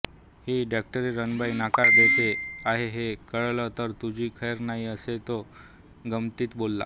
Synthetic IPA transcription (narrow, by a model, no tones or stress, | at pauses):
hiɖak̚ʈəɾiɾənbajinakaɾd̪et̪eaɦeɦekəɭlət̪əɾt̪ud͡ʑʱiːkʰəjəɾnaɦiəset̪o | ɡəmt̪iːt̪bolːa̰